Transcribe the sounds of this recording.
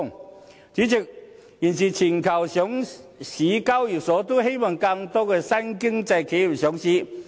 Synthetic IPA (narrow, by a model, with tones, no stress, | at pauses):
ŋ | t͡ɕi˨˥t͡ɕi˨˩k̚ | ji˨˩nsi˨˩t͡ɕʰi˨˩nkʰɐ˨˩wɕjɔ˨˦˥ŋɕi˨˦ka˥wji˨˩sɔ˨˦t̪o˥he˥jma˧˩ŋka˧ŋt̪ɔ˥ɡɛ˧sa˥nki˥ŋt͡sa˧jkʰe˨˥ji˨˩ɕjɔ˨˥ŋɕi˨˥˦